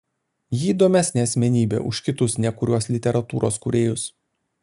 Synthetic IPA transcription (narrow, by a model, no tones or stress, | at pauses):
jiːd̪oːmʲɛsʲnʲɛɐsʲmʲɛnʲiːbʲḛːʔʊ̰ʃkʲɪt̪ʊsnʲɛkʊɾʲuɔslʲɪt̪ʲɛɾɐt̪uːɾʔo̰ːskʊɾʲeːjʊs